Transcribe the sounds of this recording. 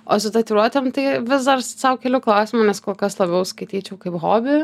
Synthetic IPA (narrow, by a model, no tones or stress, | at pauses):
o̰ːsʊt̪ɐt̪ʲiɾuɔt̪ʲɛmt̪ɐɪʋʲɪzd̪ɐrsɐʊkʲɛlʲʊklˠɐʊsʲɪmʊnʲɛskoːlˠkɐslˠɐbʲɛʊskɐɪt̪ʲiːt͡ʃʲɛʊkɐɪpɣoːbʲɪ